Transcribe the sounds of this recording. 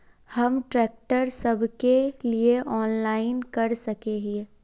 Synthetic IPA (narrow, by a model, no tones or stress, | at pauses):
hɐmʈɾɛːk̚ʈəɾsɐbʱkelieʔɔːnlaːɪnkɐɾsɐkeːɦi